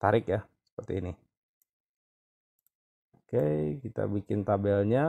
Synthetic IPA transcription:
t̪aɾɪkja | sə̥pərt̪iːni | okejkit̪a̰bikɪnt̪abɛlɲa

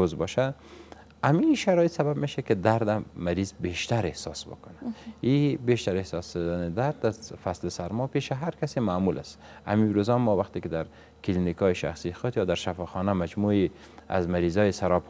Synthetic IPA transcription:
ozbɔʃa | amiʃaɾɔjɪt̪sababmeʃakɪd̪aɾd̪amaɾizbeʃt̪aɾehsɑ̰sbʊ̰kʊnaibeʃt̪aɾehsɑsd̪anɪd̪aɾd̪azfaslɪsaɾmɔpeʃaɦaɾkasemaːmulʔa̰s | a̰miɾozɔmːɔwaxt̪ikɪd̪aɾ | kɪlinikɔjiʃa̰xsixʊd̪jɑd̪aɾʃafɑxɔnamad͡ʒmui | a̰zmaɾizɔjsaɾɔp

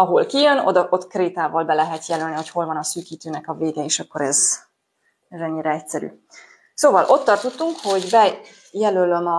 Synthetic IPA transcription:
ɒɦo̞lkijønod̪ʔo̞t̪kreːt̪aːvɒlbɛlɛɦɛt̪jɛlølniho̞cho̞lvɒnɒsyːkiːt̪øːnɛkɒveːɡɛeːʃɒkːo̞ɾɛz | ɛzɛɲːiɾɛɛcsɛɾy̰ː | soːvɒlʔo̞t̪ːɒrt̪ut̪ːuŋkho̞ɟbɛ | jɛlølømɒ

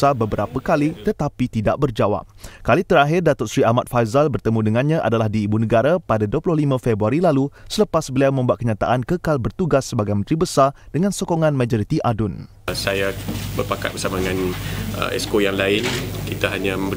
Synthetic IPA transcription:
abəbəɾapəkalit̪ət̪apit̪ida̰ʔbərd͡ʒawa̰p̚kalit̪əɾaɦɪrdat̪ɔt̪̚sɾiamat̪̚fajzalbərt̪əmũdəŋãnɲãʔa̰dalahdiːbunə̃ɡaɾapadaduəplʊhlimãfɛbɾuaɾilalusələpasbəliawmə̃mbuat̪̚kəɲãt̪a̰ʔankəkalbərt̪uɡasːəbaɡajmə̃nt̪ɾibəsardəŋãnsokoŋãnmãd͡ʒɔɾit̪iʔadʊn | sajabərpaka̰t̪̚bərsamadəŋãnə̰ɛ̰skojaŋlaɪnkit̪aɦaɲãə

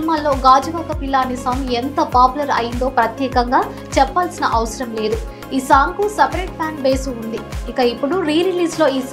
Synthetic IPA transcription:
maːlːo̞ːɡaːd͡ʒɐʋaːkɐpilːaːnisɐːment̪ɐpaːpulɐɾɐ̰jind̪o̞ːpɾɐt̪jɛːkɐŋɡaː | t͡ʃɛpːaːlsinɐʔɐʋɐsɐɾɐmle̞ːd̪u | iːsaːŋkusepɐɾeːʈ̚pjaːɳbeːsuːnd̪iikɐipːuɽuɾiːɾiliːslo̞ːiːs

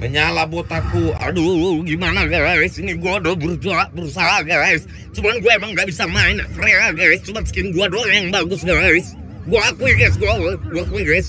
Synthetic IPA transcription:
məɲalabɔt̪akua̰duɡimanaɡaɾasiniɡuadɔbuɾud͡ʒuabuɾusalaɡaajs | t͡ʃumaanɡuaemaŋɡaʔbisamainafɾɛɾaɡajst͡ʃubat̪skinɡuadɔajaŋbaɡusɡaɾais | ɡuakuiɡajs̬ɡuaɡaɡuakuiɡajs

